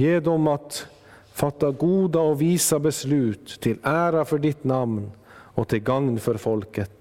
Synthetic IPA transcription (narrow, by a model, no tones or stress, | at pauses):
jeːd̪ɔmɑt̪ | fɑt̪ːɑɡuːd̪əoːʋiːsəbəslʉːt̪ʰːɪlæːɾɑfɔɖɪt̪nɑʋn | oːt̪ʰɪlɡɑŋnfɔɾfɔlkət̪